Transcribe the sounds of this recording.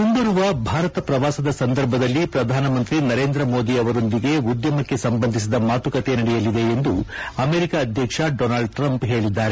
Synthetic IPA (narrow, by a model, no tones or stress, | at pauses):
mund̪ɐɾuʋɐbʱaːɾɐt̪ɐpɾɐʋaːsɐd̪ɐsɐnd̪ɐɾbʱɐd̪ɐlːipɾɐd̪ʱaːnɐmɐnt̪ɾinɐɾe̞ːnd̪ɾɐmoːd̪iɐʋɐɾo̞nd̪iɡe̞ud̪jɐmɐkːe̞sɐmbɐnd̪ʱis̬id̪ɐmaːt̪ukɐt̪e̞nɐɽɛjɐlid̪e̞ːnd̪uɐme̞ːɾikaːd̪ʱjɐkʂɐɖoːnaːɭɖ̚ʈɾɐmpɦe̞ːɭid̪ːaːɾe